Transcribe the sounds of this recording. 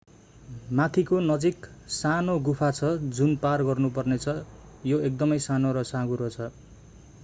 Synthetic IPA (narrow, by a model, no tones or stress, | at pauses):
mat̪ʰikonʌd͡ziksanoɡupʰat͡sʰʌd͡zunparɡʌrnupʌrnet͡sʰʌ | joek̚d̪ʌmʌjsanoɾʌsãɡuɾot͡sʰʌ